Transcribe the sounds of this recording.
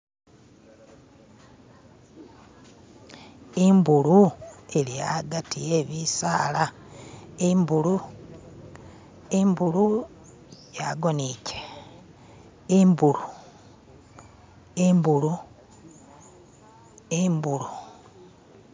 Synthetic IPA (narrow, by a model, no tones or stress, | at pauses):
imbuluelijaɡatʰijeβisaːla | imbulu | imbulu | jaɡo̞nice̥ | imbulu | imbulu | embulu